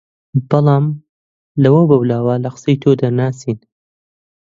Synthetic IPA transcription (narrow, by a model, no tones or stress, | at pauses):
b̥ɑlˠɑːm | lɐwɐbɐwlaːwɐlɐqɨ̥sejt̪ʰod̪ɐɾnaːsiːn